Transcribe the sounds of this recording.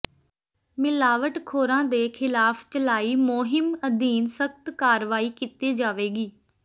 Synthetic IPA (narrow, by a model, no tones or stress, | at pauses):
mɪlaːʋəʈkʰoːɾãːd̪eːkʰɪlaːpʰt͡ʃəlaːiːmoːɦɪməd̪iːnsəkʰt̪kaːɾʋaːiːkit̪iːd͡ʒaːʋeːɡiː